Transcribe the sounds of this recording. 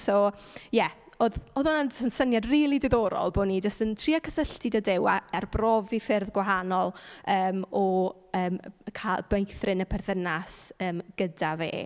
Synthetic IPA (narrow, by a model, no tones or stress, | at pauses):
sojɛ | oːðoðʊnad͡ʒəsənsənjadriːlˠidɪðɔːɾɔ̰lˠboːnid͡ʒəstəntʰriːakʰə̥səɬtɪdədewa̰ɛrbrɔvifɪrðɡwaɦanɔlˠəːmɔ | əːmkʰalˠbejθrɪnəpʰɛrθənasəːmɡ̥ədavḛː